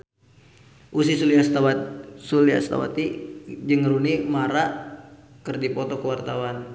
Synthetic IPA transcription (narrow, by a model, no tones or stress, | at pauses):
ʔusisuliast̪awsulia̰st̪a̰wa̰t̪id͡ʒəŋɾunimaɾaʔ | kərdipɔt̪ɔkəwart̪awan